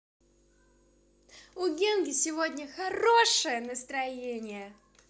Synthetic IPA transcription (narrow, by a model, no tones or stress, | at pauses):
ʊɡʲenɡʲɪsʲɪvodʲnʲəxɐroʂɨjənəst̪ɾɐjenʲɪjə